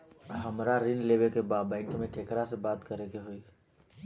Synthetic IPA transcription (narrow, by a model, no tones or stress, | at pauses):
ɦəmɾaɾɪnleːbekebaːbɛ̃ːŋkmẽʈʰeːkɾasebaːt̪kəɾekeɦoiː